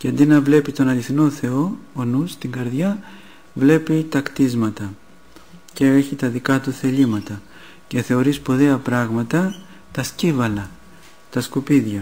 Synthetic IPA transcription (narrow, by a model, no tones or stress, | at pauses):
ceɐnd̪inɐvle̞pit̪o̞nɐliθino̞θe̞o̞onust̪iŋɡɐɾðʝɐ | vle̞pit̪ɐkt̪izmɐt̪ɐ | ce̞e̞çit̪ɐðikɐt̪uθe̞ʎimɐt̪ɐ | ce̞θe̞o̞ɾispoðeɐpɾɐɣmɐt̪ɐ | t̪ɐscivɐlɐ | t̪ɐskupiðʝɐ